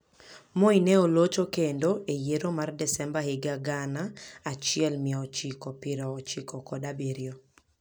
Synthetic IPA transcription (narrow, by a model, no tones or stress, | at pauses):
moinɛolot͡ʃokendoejeɾomardɛsɛmbahɪɡaɡanaat͡ʃɪɛlmɪɔt͡ʃikɔpɪɾɔːt͡ʃikɔkɔdabeɾjo